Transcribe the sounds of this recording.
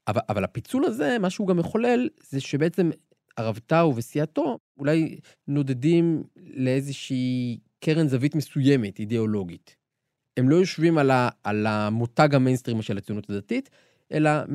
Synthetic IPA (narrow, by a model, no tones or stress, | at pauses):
ʔavaa̰valapit͡sulaze̞maʃehuɡamjeχo̞le̞lzeʃebeet͡se̞m | aʁavtauvesiato̞ | ulaj | no̞de̞dimle̞ezeʃiːkeʁenzavitme̞suje̞metideo̞lo̞ɡit | e̞mlo̞jo̞ʃvimalaːlamotaɡhamenstʁimaʃelat͡siunutʰadatit | ʔe̞̰la